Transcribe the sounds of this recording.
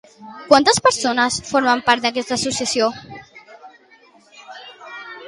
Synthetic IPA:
kwant̪əspəɾsonəsfoɾmampaɾt̪̚d̪ak̬ɛst̪aːsusjasio

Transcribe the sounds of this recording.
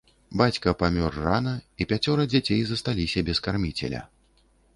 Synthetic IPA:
bat͡sʲkɐpamʲɔrːanɐipʲat͡sʲɔɾɐd͡zʲat͡sʲejzɐst̪alʲisʲɐbʲɛskarmʲit͡sʲɛ̰lʲɐ̰

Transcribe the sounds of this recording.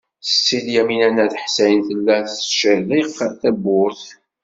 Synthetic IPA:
θə̥t͡sːiljæminænæθħsæjənθəlːæθsʃæliʁθæbʊɾθ

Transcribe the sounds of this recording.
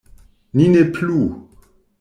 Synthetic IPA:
nineplu

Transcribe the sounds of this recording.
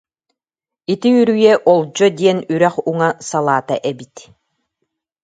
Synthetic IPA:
it̪iyɾyjɛʔɔlˠd͡ʑɔd̪iɛnyɾæχuŋasalˠaːt̪a̰ʔɛbit̪

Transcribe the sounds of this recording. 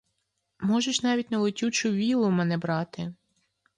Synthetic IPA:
mɔʒeʃnɑʋʲitʲnɐlˠɪtʲut͡ʃʊʋʲilˠʊmɛnɛbɾɑt̪ɪ

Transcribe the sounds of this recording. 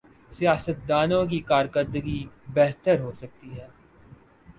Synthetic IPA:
sijaːsət̪̚d̪aːnõk̬ikaːɾkəɾd̪əɡibɛɦt̪əɾɦoːsɐk̚t̪iɦɛː

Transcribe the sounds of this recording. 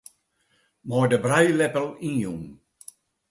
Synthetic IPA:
mɔjdəbɾajlɛpəlĩnjuŋ

